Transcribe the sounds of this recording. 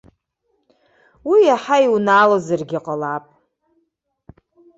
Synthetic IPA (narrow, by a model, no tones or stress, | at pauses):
wijaħaiwnaːlozɨrɡʲiqʼalapʼ